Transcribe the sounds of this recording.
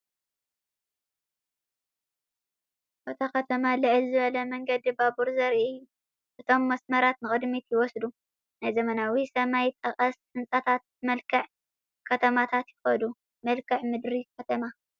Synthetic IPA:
bot̪ʰakʰɐt̪ʰɐmalɨʕɨlzɨβɐlɐmɐŋɡɐd̪ibabuɾzɐɾiu | ʔɨt̪ʰo̞mːɐsmɐɾat̪nɨkʼɨd̪mit̪jɪwɔsd̪u | najzɐmɐnawisɐmajt̪ʼɐqʼɐs | ɨnt͡sʼat̪ʰat̪ | mɐlkʰɐʕ | kʰɐt̪ʰɐmat̪ʰat̪jɪxɐd̪u | mɐlkʰɐʕmɨd̪ɾikʰɐt̪ʰɐma

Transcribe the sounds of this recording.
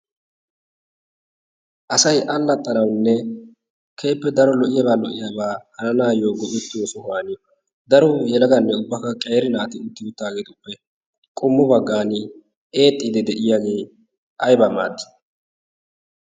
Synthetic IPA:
ʔɐsɐjʔɐlːɐt̪ʼːɐnɐwnːɛ | kʰeːpːɛd̪ɐɾɔlɔʔɪjɐbaːlɔʔɪjabaːhɐnɐnaːjoːɡɔʔʊt̪ːɪwɔsʊɦaːnɪ | d̪ɐɾɔjɛlɐɡɐnːɛʊbːɐkɐkʼeːɾɪnaːt̪ɪʊt̪ːɪʊt̪ːaːɡe̞ːt̪ʊpːɛ | kʼʊmːʊbɐɡːaːnɪ | e̞ːt̪ʼːiːd̪ɛd̪ɛʔɪjaːɡe̞ː | ʔɐjbama̰ːd̪ːɪ̥

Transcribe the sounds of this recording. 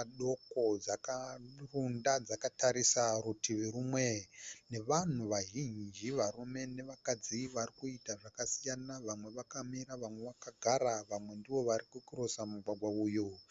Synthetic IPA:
aɗo̞ko̞d͡zakarundad͡zakataɾisarutiʋeɾumwe̞ne̞ʋan̤uʋaʒind͡ʒiʋarume̞ne̞ʋakad͡ziʋarikuitaʐakasijanaʋamwe̞ʋakamiɾaʋamwe̞ʋakaɡʱaɾaʋamwe̞ndiʋo̞ʋaɾikukuɾosamuɡwaɡʱwauːjo

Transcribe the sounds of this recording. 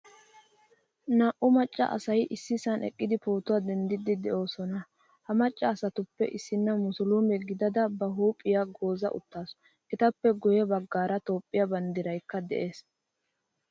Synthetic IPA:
naːʔʊmɐt͡ʃʼːɐ̰ʔɐ̰sɐjʔɪsːɪsɐnʔɛ̰kʼːɪd̪ɪpoːt̪ʊwaːd̪ɛnd̪ɪd̪ɪd̪ɛʔo̞ːsɔnɐ | hɐmɐt͡ʃʼːɐːsɐt̪ʊpːɛ̰ʔɪsːɪnːɐmʊsʊlumɛɡɪd̪ɐd̪ɐbɐɦuːpʼːɪjaɡo̞ːzɐ̰ʔʊ̰t̪ːaːsɔ̥ | ʔɛt̪ɐpːɛɡʊjɛbɐɡːaːɾɐt̪o̞ːpʼːɪjɐbɐnd̪ɪɾɐjkːɐd̪ɛ̰ʔe̞ːs

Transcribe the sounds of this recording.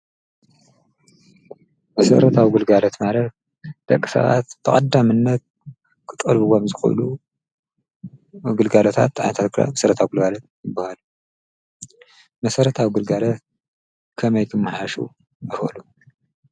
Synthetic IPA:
mɐsɐ̰ɾɐt̪ʰawiɡɨlɡalɐt̪maɾɐ | d̪̥ɐkʼːi̥sɐ̰βa̰t̪b̥ɨkʼɐd̪ːamɨnːɐt̪̚ | kʰɨt̪ʼɐlβuwomzɨxṵʔlu | ɡɨlɡalot̪ʰa̰t̪ːʕa̰jnɐt̪ʰat̪kʰɾa̰mɐsɐɾɐt̪ʰawiɡɨlɡalɐt̪̚jɨbːahalu | mɐsɐɾɐt̪ʰawiɡɨlɡalɐt̪ | kʰɐmɐjkʰɨmːɨħaʃṵ | bɨfɐ̰lu

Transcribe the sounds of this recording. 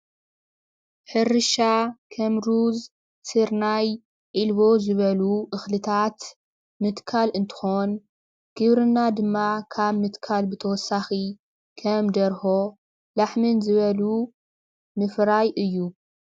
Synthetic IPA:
ħɨɾɨʃakʰɐmɾuz | sɨɾnaj | ʕilβo̞zɨβɐluʔɨxlɨt̪ʰat̪ | mɨt̪kʰalɨnt̪ʰɨ̥xo̞n | ɡ̥ɨβɾɨnːad̪ɨmːakʰaβmɨt̪kʰalbɨt̪ʰɐwɔsːaxi | kʰɐmd̪ɐɾho̞ | laħmɨnzɨβɐlu | mɨfɾajʔɨjːu

